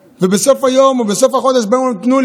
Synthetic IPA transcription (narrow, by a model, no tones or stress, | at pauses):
vebesofajombesofaχod̪eʃbajommt̪nul